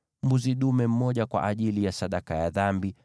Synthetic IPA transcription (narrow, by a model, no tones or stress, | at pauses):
mbuziɗumɛm̩mɔʄakwa̰ʔaʄilijasaɗakajaðambi